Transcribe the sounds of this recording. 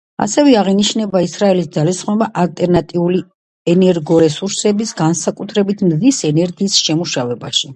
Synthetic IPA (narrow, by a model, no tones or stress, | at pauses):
a̰sɛvɛaʁiniʃnɛbaisɾaɛlisd̪zalisχnɔbaʔalt̪ʼɛɾnat̪ʼiuli | ɛnɛɾɡɔɾɛsuɾsɛbisɡansakʼut̪ʰɾɛbit̪ʰmzisɛnɛɾɡiːsʃɛmuʃavɛbaʃi